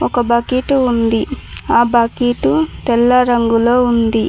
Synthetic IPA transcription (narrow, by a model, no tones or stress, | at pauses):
ɔkɐbɐkiːʈuund̪iaːbɐkiʈut̪ɛlːɐɾɐŋɡuloːund̪i